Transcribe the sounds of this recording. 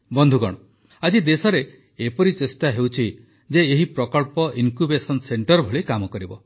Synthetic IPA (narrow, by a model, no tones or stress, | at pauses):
bɔnd̪ʱuɡɔ̰ɽ̃ɔ | ad͡ʒid̪esɔɾe | epɔɾit͡ʃesʈaɦewt͡ʃʰi | d͡ʒeːɦipɾɔkɔɭpɔʔinkubesɔnseɳʈɔɾbʱɔɭikamɔkɔɾibɔ